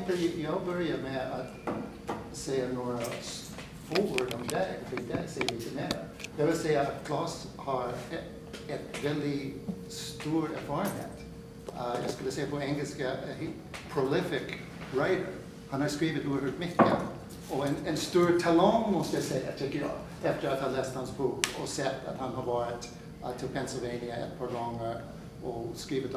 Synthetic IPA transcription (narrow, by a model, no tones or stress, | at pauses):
t̪əjɑbœɹɪəmɛat̪ | seɪənoːɹə | fɔːwəɹdɔmd̪ɛɡəfɪd̪ɛseɪəisɪnɛɾə̰ | d̥̪ɛvɪlseɪət̚kʰlɑshɑɹ | ɛt̪vɛld̪ɪ | st̪uːɹɛ̰ɹfɑːɹənhḛːt̪ | ja̰ɪskʉlːəseɪəpʰɔɛŋɡəl̩skəh | pʰɹolɪfɪk | ɹaɪdə̰ɹ | hanhaɹskɹiːvətuːhʉt̚mɪkə̰ | ɔɛnɛnst̪uːɹtʰalɑŋmɔsəseɪət̪ʰɪkəjɑ̰ | ɛftəɹathalɛːsthansbuːkɔ̰sɛta̰t̪hanhavɔːɹɪt̪ | tʰɪlpʰɛnsɪlˠveɪnɪəɛ̰t̚pʰɑɹɡɑŋəɹ | ɔskɹiːvət